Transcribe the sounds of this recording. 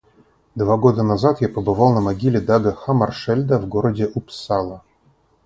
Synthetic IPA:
d̪vaɡo̞d̪ənazat̪japəbɨvɑlˠnəmaɡʲilʲɪd̪aɡəxamɐrʂɛlʲd̪əvɡoɾədʲɪʔupsalˠə

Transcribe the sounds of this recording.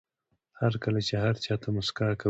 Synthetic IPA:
haɾkalat͡ʃeɦaɾt͡ʃɑt̪ʰamʊskaka

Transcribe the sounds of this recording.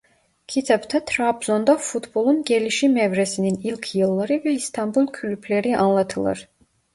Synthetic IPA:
kʲʰit̪ʰɛpt̪ʰɛt̪ʰɾabzɔnd̪afut̪ʰbolˠunɡɛliʃimɛvɾɛsininilʲkʰjɯlˠːaɾɯvɛist̪ʰɑmbulˠkʰylypʰlɛɾiʔɑnlˠɑt̪ʰɯlˠɯ̰ɾ

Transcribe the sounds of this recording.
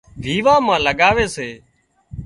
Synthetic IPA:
ʋʱiːʋãːmãːləɠaːʋeːseː

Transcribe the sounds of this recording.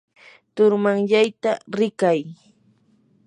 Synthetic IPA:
t̪ʊɾmaŋʎajt̪aɾɪkaj

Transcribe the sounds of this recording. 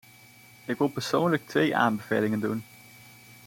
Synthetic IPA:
ɪkʋɪlˠpəɹsownlək̚tʋḛjʔa̰ːnbəv̥ejlɪŋəndun

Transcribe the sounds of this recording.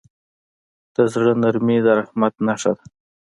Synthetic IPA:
d̪̥əzɽənaɾmid̪aɾahmat̪naʂad̪a

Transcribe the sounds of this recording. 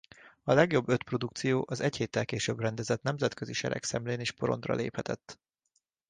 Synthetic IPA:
ɒlɛɡjo̞bːø̞t̪pro̞d̪ukt̪sijoːʔɒzɛcheːt̪ːɛlkeːʃøbrɛnd̪ɛzɛt̪nɛmzɛt̪̚køziʃɛ̰ɾɛ̰ksɛmleːneːʃpo̞ɾo̞̰nd̪rɒ̰lʔḛːphɛt̪ɛt̪ː

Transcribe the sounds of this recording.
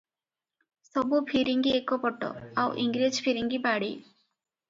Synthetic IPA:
sɔbupʰiɾiŋɡiekɔpɔʈɔ̰awʔiŋɡɾid͡ʒpʰiɾiŋɡibaɽi

